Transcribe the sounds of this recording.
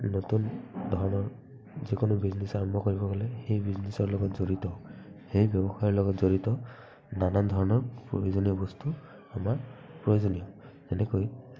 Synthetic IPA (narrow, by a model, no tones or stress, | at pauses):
notundʱɔɹɔnɔɹ | zikʊnʊbiznesaɹɔmbʱɔkoɹibɔɡɔlɛxejbiznesɔɹlɔɡɔtzoɹitɔxejbjɔbɔxajɔɹlɔɡɔtzoɹitɔ | nanandʱɔɹɔnɔɹpɹo̰jozonijɔbɔstu | amapɹɔjozonijɔzɛnɛkoj